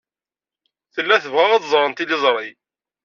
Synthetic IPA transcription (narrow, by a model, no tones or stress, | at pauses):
θəlːæθəvʁæʁɑðzˤɾˤənt̪ilɪzˤɾˤi